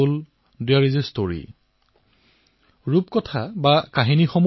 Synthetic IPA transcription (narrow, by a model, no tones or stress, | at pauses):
ʊl | dijaɹizistoɹḭ | ɹupkɔtʰabakaɦinixɔm